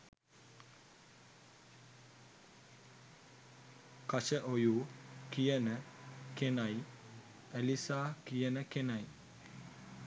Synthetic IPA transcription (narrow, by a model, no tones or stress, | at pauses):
kat͡ʃɛʔojukijɛnɛkenaj | ɛlisakijɛnɛkenaj